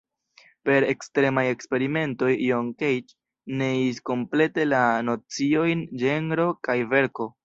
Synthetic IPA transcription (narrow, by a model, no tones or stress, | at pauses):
pe̞ɾe̞kstɾe̞maje̞kspe̞ɾime̞nto̞jːoŋkejt͡ʃ | neisko̞mple̞te̞lano̞t͡sio̞jnd͡ʒe̞ŋɾo̞kajve̞ɾko̞